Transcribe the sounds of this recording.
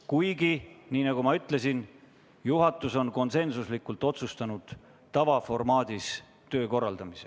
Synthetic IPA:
kujɡ̥iniːnɑɡ̥umɑyt̪ˑle̞sin | juɦɑt̪ːˑuso̞nko̞nse̞nsuslikːˑult̪ˑo̞t̪sust̪ɑnud̪̥ː | ɑvɑfo̞rmɑːd̪̥ʲis | t̪ø̞ːko̞rːɑld̪ɑmise

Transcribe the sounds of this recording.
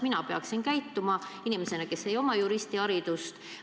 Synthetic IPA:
minɑpeɑksinkæjt̪ːumɑinimese̞nɑke̞sːe̞jo̞mɑjuɾist̪iɑɾid̪̥ust̪

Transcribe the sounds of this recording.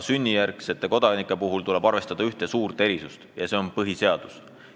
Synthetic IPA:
synʲːijærkse̞t̪ːˑe̞ko̞d̪ɑnikːˑe̞puɦult̪ule̞b̥ɑrve̞st̪ɑd̪̥ɑyht̪e̞suːrt̪e̞ɾisust̪jɑse̞o̞npɤɦise̞ɑd̪̥u̥s

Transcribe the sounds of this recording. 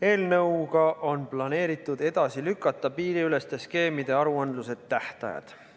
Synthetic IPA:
e̞ːlnɤ̞wɡɑʔo̞nplɑne̞ːɾit̪ːˑud̪e̞d̪̥ɑsilykːˑɑt̪ːˑɑpiːɾiyle̞st̪e̞ske̞ːmid̪̥e̞ɑɾuɑnd̪luse̞t̪ːæht̪ɑ̰jɑ̰d̪̥

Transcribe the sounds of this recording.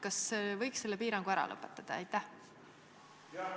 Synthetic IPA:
kɑsvɤjkse̞lːe̞piːɾɑŋɡ̥uæɾɑ̰lʔɤ̰pːˑe̥t̪ːˑɑd̪̥ɑæ̰jt̪ːˑæh

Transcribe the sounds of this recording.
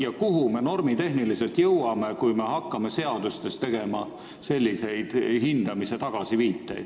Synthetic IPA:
jɑkuɦume̞no̞rmit̪e̞ɦnilise̞lt̪jɤwɑme̞kujme̞ɦɑkːɑme̞se̞ɑd̪ust̪e̞st̪e̞ɡ̥e̞mɑ | se̞lʲːise̞jd̪̥hind̪̥ɑmise̞t̪ɑɡ̥ɑsiviːt̪ːˑḛjd̪̥

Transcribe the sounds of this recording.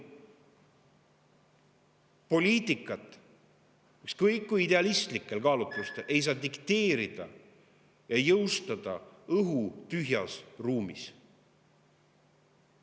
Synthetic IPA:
po̞liːt̪ˑikːˑɑt̪ˑ | ekskɤjkːujid̪e̞ɑlist̪likːˑe̞lkɑːlut̪ːˑust̪e̞lʔe̞js̬ɑːd̪ikt̪e̞ːɾid̪̥ɑ̰ | jɑjɤwst̪ɑd̪̥ɑɤɦut̪yɦjɑsruːmḭs

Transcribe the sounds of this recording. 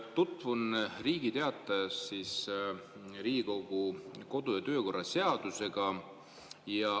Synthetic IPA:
t̪ut̪ːˑvunriːɡ̥it̪e̞ɑt̪ːˑɑjɑsːis | riːɡiko̞ɡ̥uko̞d̪ujɑt̪ø̞ːko̞rːɑse̞ɑd̪̥use̞ɡ̥ɑ | jɑ

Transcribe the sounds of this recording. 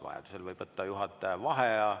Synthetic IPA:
vɑ̰jɑ̰d̪̥uselvɤjb̥vɤt̪ːɑjuɦɑt̪ˑːɑɑvɑɦeɑ

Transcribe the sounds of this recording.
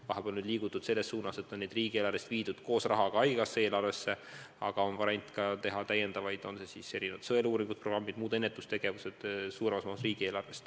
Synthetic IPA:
vɑɦeb̥eolnyd̪liːɡ̥ut̪ːˑud̪̥se̞lːesːuːnɑse̞t̪ːˑonːed̪riːɡ̥ielɑrvest̪viːd̪̥ud̪̥ko̞ːsrɑɦɑɡ̥ɑɑjɡ̥ɑsːee̞ːlɑrve̞sːe̞ | ɑ̰ɡ̥ɑo̞nvɑɾenʲt̪kɑt̪e̞ɦɑt̪æje̞nd̪ɑvɑjd̪o̞nse̞sise̞ɾinevɑt̪sɤeluːɾiŋɡud̪̥pro̞ɡrɑmːid̪muːd̪e̞nːet̪ːˑust̪e̞ɡ̥e̞vuse̞d̪̥suːɾemɑsmɑːusriːɡ̥ieːlɑrve̞st̪

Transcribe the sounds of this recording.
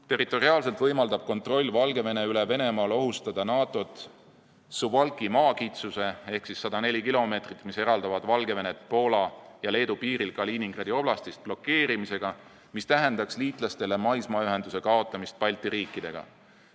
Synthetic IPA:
t̪e̞rˑit̪ːˑo̞riɑːls̬e̞lt̪vɤjmɑld̪ɑb̥̚ko̞nt̪ro̞lʲːvɑlɡe̞ve̞ne̞yleve̞ne̞mɑːlo̞ɦust̪ɑd̪̥ɑnɑːt̪ˑo̞t̪ˑ | suvɑlkimɑːkit̪suse̞e̞hksisːɑd̪ɑne̞lʲikilo̞me̞ːt̪rit̪ːˑmise̞ɾɑld̪ɑvɑd̪vɑlɡe̞ve̞ne̞t̪̚po̞ːlɑjɑle̞ːd̪upiːɾilkɑliːniŋɡ̥rɑd̪io̞b̥lɑst̪ist̪̚b̥lo̞kːe̞ːɾimise̞ɡ̥ɑ | mist̪æɦe̞nd̪̥ɑksliːt̪ˑlɑst̪e̞le̞mɑjsmɑːyɦe̞nd̪use̞kɑo̞t̪ˑːɑmist̪̚pɑjlʲt̪ːiɾiːkˑːid̪̥e̞̰ɡ̥ɑ̰

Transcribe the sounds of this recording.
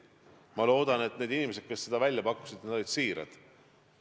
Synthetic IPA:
mɑlo̞ːd̪̥ɑne̞t̪ne̞ːd̪inime̞s̬ed̪̚ke̞sːe̞d̪̥ɑvælʲjɑpɑku̥sid̪̥ned̪o̞lid̪̥siːɾɑ̰d̪̥

